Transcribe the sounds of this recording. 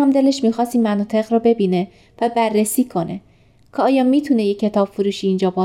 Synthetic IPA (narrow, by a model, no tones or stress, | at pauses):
æmd̪e̞le̞ʃmiːxɒːst̪iːmænɒːt̪ʰe̞ɣɾɔbe̞biːne | væbærːesiːkʰo̞nʔe | kʰɒːjɒmiːt̪ʰunejekcʰːe̞t̪ʰɒːb̥foɾuːʃiːnd͡ʒɒːbɒː